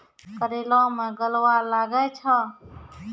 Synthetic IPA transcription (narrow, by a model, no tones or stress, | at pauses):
kəɾeːlɔ̃ːmẽɡəlwalaːɡɛt͡ʃʰə